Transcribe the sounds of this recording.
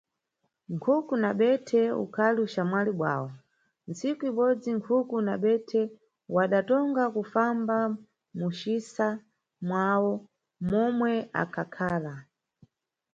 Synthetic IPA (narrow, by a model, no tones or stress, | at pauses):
ŋkʰukunaɓɛtʰɛṵkʰaliuʃamwaliɓwa̰ːwɔ | nsikuiɓɔd͡ziŋkʰukunaɓɛtʰɛ | waɗatɔŋɡakufamba | muʃisa | mwawɔ | mɔmwɛa̰kʰakʰaːla